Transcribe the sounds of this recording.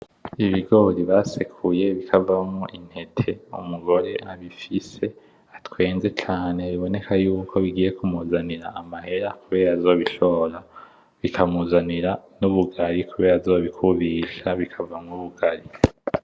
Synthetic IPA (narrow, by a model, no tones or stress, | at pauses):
iβiɡo̞ɾiβaːsekʰuje̞βikʰavamŋuʔin̥he̞tʰe̞ṵmuɡo̞ɾe̞ʔaβifise̞ | atwe̞ːnze̞t͡ʃaːne̞βiβo̞ne̞kʰajuːkʰo̞βiɡiːje̞kumuzaniɾaːmahe̞ɾakuβe̞ːɾazo̞ːβiʃo̞ɾa | βikʰamuzaniɾanuβuɡaɾikuβeːɾazo̞ːβikʰuβiʃaβikʰavamŋuβuɡ̥aɾi